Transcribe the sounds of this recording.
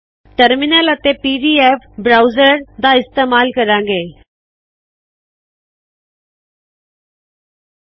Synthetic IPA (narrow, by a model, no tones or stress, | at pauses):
ʈəɾmɪnələt̪eːpiːɖiːɛːfbɾaːuzəɾd̪aːɪst̪eːmaːlkəɾãːŋɡeː